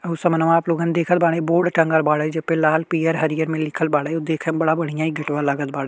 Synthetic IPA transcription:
əɦusəmənəʋãaːploːɡaːnd̪eːkʰət̪̚baːɽẽːboːɖʈəŋɡəlbaːɽaːd͡ʒəpẽːlaːlpiːəɾɦəɾijəɾmẽːlɪkʰəlbaːɽaod̪eːkʰəbəɽaːbəɽijãːiːɡəʈʋaːləɡət̪̚baːɽaː

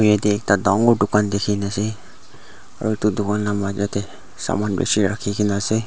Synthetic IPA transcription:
jad̪iek̚tad̪ɔŋɡoɖukand̪ekʰinase | a̰ɾut̪ud̪ukanlamad͡ʒat̪e | sa̰manbḛsiɾakʰikinase

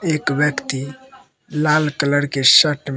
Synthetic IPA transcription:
eːkʋjəkt̪i | laːlkələɽkeʃəʈm

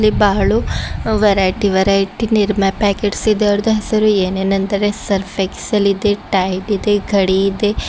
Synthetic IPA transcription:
libaːɭuʋɐɾaːjʈiʋɐɾaːjʈiniɾmapɛːkeʈsid̪eɐɾd̪ɐɦɐsɐɾueːnenɐnt̪ɐɾesɐɾfeksɐlid̪eʈaːjʈid̪eɡʱɐɽiːd̪e

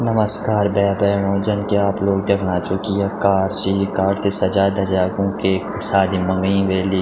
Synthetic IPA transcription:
nɐməskaːɾbɛjabɛːɽõːd͡ʒɐnkeaːploːɡ̚d̪ɐɡɽaːt͡ʃʊkiakaːɾsiːkaːɾt̪esɐd͡ʒaːd̪ʱɐd͡ʒaːɡũkeːksaːd̪ʱimɐ̃ŋɡĩʋeːliː

